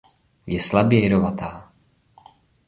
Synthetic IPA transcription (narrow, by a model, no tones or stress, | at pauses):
jɛslabjɛɾovat̪aː